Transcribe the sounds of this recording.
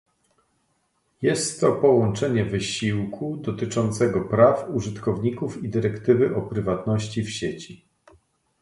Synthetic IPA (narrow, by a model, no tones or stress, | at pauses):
jɛst̪ːɔpɔwɔnt͡ʂɛɲɛvɘɕiwkʰud̪ɔt̪ɘt͡ʂɔnt̪sɛɡɔpɾafuʐɘt̪kɔvɲikufid̪ɘɾɛkt̪ɘvɘʔɔpɾɘvat̪nɔɕt͡ɕifɕet͡ɕi